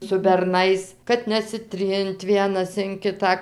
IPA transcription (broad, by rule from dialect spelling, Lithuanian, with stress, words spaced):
sʊ bʲɛrˈnɐɪs kɐt nʲɛsʲɪˈtʲrʲɪnt ˈʋʲiɛnɐs ɪn ˈkʲɪtɑː